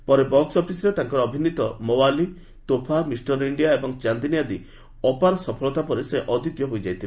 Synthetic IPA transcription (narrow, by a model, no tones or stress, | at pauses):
pɔɾebɔksɔpʰisɔɾet̪aŋkɔɾɔːbʱinit̪ɔmɔwali | t̪opʰamisʈɔɾiɳɖijaebɔŋt͡ʃand̪inijad̪i | ɔpaɾɔsɔpʰɔlɔt̪apɔɾeseʔɔd̪it̪jɔɦojd͡ʒajt̪ʰil